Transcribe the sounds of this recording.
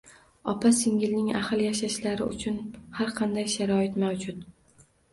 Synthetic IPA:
ɒpʰasɪŋɡʲɪlnɪŋa̰hɨlˠjaʃaʃlaɾɪʊ̰t͡ʃʰʊnhaɾqʰɑnd̪ajʃaɾɒɪt̪mawd͡ʒʊt̪

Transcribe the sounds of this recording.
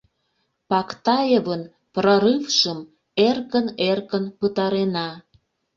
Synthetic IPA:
pɑkt̪ɑjevən | proɾɨfʃəm | erkənerkənpət̪ɑɾenɑ

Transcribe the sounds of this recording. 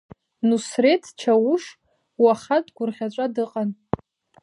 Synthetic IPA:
nusretʰt͡ʃʰawuʂ | waχatʼɡʷʊrχʲaʈ͡ʂʷʼadɨqʼan

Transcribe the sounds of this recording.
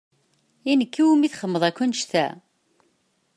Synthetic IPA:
inəkːiwumiθχəmːəðˤækʷːənʃθæ̰

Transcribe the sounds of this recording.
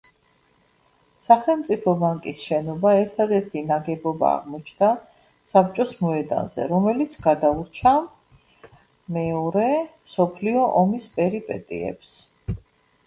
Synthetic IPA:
saχɛlˠmt̪sʼipʰɔbaŋkʼisʃɛnɔbaɛɾt̪ʰad̪ɛɾt̪ʰinaɡɛbɔba̰ːʁmɔt͡ʃʰnd̪a | sap̚t͡ʃʼɔsmɔɛd̪a̰nzɛ̰ɾɔmɛlit̪sʰɡad̪auɾt͡ʃʰa | mɛɔɾɛmsɔpʰliɔʔɔmispʼɛɾipʼɛt̪ʼḭɛ̰ps

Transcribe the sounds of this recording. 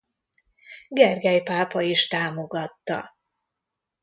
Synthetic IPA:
ɡɛrɡɛjpaːpɒiʃt̪aːmo̞ɡɒt̪ːɒ̰

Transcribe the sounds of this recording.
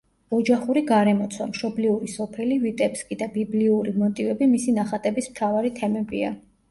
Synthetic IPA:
ɔd͡ʒaχuɾiɡaɾɛmɔt̪sʰwa̰mʃɔbliuɾisɔpʰɛlivit̪ʼɛpskʼid̪abibliuɾimɔt̪ʼivɛbimisinaχat̪ʼɛbismt̪ʰavaɾit̪ʰɛmɛbḭa̰

